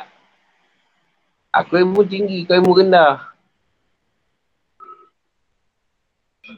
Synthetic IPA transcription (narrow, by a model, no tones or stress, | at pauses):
a̰kejmudiŋɡikajmuɡinda